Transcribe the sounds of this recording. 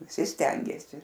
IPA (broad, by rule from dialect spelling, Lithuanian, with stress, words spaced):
ʋʲɪˈsʲɪ ˈsʲtʲɛŋʲɡʲeːsʲɪ